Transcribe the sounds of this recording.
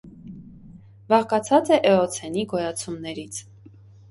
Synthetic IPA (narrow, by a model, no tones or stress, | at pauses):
vɑʁkɑt͡sʰɑt͡sɛʔɛɔt͡sʰɛniɡɔjɑt͡sʰumnɛɾit͡sʰ